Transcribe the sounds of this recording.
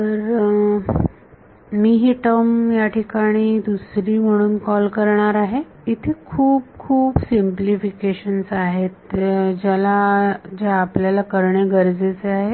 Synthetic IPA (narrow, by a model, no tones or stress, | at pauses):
t̪əɾ | miːɦiːʈəmjaʈʰikaɽ̃iːd̪usɾiːm̤əɽ̃uːnkɔlkəɾɳ̃aɾaɦe | it̪ʰekʰuːb̚kʰuːbsimplifikeɕənsaɦet̪d͡ʑalad͡ʑeːpljalakəɾɳeɡəɾd͡zet͡seaɦe